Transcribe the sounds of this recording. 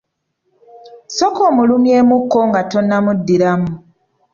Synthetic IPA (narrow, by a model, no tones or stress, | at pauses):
sokoːmulumje̞ːmukːo̞ŋɡato̞nːamudːiɾamu